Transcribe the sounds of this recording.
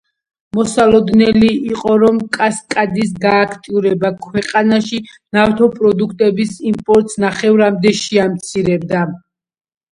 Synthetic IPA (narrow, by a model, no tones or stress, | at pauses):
mɔsalˠɔd̪nɛliːqʼɔɾɔmkʼaskʼad̪is̬ɡaːkʰt̪ʼiuɾɛbakʰwɛqʼanaʃi | naft̪ʰɔpʼɾɔd̪ukʰt̪ʼɛbisimpʼɔɾt̪ʼsnaχɛvɾamd̪ɛʃiamt̪sʰiɾɛbd̪a